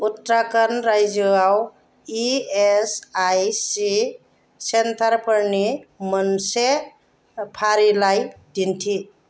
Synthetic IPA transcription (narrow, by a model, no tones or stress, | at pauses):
ut̪ɾakənɾajd͡ʒɔaw | iesajsi | sent̪aɾpəɾnimənse | pʰaɾilajdintʰi